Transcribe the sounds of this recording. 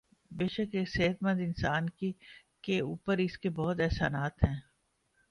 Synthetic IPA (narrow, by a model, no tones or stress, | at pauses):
beːʃəkeːkseːɦət̪mə̃nd̪ɪnsaːnki | keuːpəɾɪskebɔːt̪ɛɦsa̰ːnaːt̪ɦɛ̃ː